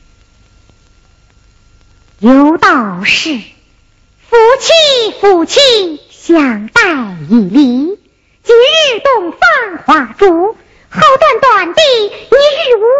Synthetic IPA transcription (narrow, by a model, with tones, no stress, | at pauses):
jo˧˥ʊt̪ɑ˨˩ʊʂɻ̩˥˩ | fu˧˥˩t͡ɕʰi˥˧fu˨˩t͡ɕʰi˥˩ŋ | ɕjɑ˨˩ŋt̪a˥˧ɪi˨˩li˧˥ | t͡ɕi˧˥ɻɻ̩˥˧t̪ʊ˥˧ŋfɑ˥˩ŋxwa˧˥ʈ͡ʂu˧˥ | xo˥˧ʊt̪wa˥˩nt̪wa˨˩nt̪i˥˩i˧˥ɻɻ̩˥˩u˧˥